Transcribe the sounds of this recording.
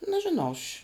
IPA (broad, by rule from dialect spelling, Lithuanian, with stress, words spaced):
nʲɛʒʲɪˈnɐʊ ɐʃʲ